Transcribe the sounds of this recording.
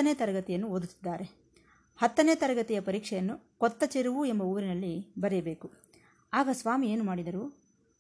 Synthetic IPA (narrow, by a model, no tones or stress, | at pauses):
ɐneːt̪ɐɾɐɡɐt̪ijɐnːuod̪ut̪ːi̥d̪ːaːɾe̞ | hɐt̪ːɐneːt̪ɐɾɐɡɐt̪ijɐpɐɾiːkʂɛjɐnːukɔt̪ːɐt͡ʃeɾuʋue̞mbɐuːɾinɐlːibɐɾjɐbe̞ːku | aːɡɐsʋaːmie̞ːnumaːɽid̪ɐɾu